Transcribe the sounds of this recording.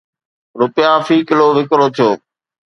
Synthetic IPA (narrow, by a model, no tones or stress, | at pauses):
ɾʊpɪjaːfiːkɪloːʋɪkɾoːt̪ʰijoː